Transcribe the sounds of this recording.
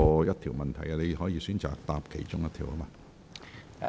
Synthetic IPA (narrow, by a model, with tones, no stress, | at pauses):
ɔː˧jɐ˥t̪ʰi˨˩wmɐ˨nt̪ʰɐ˨˩ja˧le˨˧jhɔː˨˥jiː˨˧syː˨˥nt͡sa̰ː˨k̚t̪aː˧p̚kʰe˨˩jt͡ʃʊ˥ŋjɐ˥t̪ʰiː˨˩whɐ˥maː˧